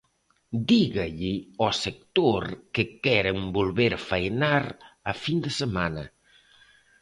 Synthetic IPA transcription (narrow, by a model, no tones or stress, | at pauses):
d̪iɣaʎɪɔsek̚t̪oɾkɪkɛɾembolβeɾfajnaɾafind̪esemanɐ